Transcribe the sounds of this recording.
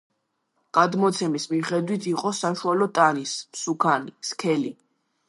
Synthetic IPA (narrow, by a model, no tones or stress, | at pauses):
ɡ̥ad̪mɔt̪sʰɛmismiχɛd̪wit̪ʰiqʼɔsaʃualɔt̪ʼanismsukʰaniskʰɛli